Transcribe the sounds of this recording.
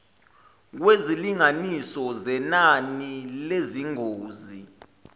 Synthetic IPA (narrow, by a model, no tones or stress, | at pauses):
k̬weziliŋanisɔzɛnanileziŋoːzi